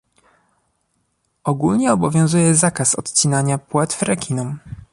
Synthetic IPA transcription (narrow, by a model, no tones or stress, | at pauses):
ɔɡulɲɛɔbɔvʲjɔ̃w̃zujɛzakasɔ̰t̪t͡ɕinaɲapwɛt̪fɾɛkʲʰinɔm